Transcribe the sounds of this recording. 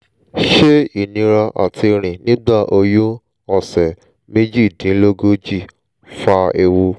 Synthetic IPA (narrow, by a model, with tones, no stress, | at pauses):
ʃe˦i˦˨nĩ˧ɾa˧ʔa̰˨tʰi˧ɾ̃ĩ˨nĩ˦ɡ͡ba˦˨ʔo˧jũ˦ | ɔ˨sɛ˨ | me˦d͡ʒi˦˨dĩ˨˦lo˦ɡo˦d͡ʒi˦˨ | fa˧e˧wu˧